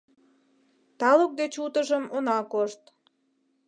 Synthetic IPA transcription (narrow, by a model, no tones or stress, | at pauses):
t̪ɑlək̚d̪et͡ɕut̪əʒəmonɑkoʃt̪